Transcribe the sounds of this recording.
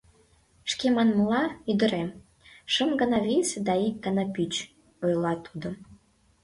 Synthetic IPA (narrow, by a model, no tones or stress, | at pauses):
ʃkemɑnməlɑyd̪ə̆ɾem | ʃəmɡə̆nɑvisd̪ɑik̚ɡənɑpyt͡ɕ | ojlɑt̪ʰud̪o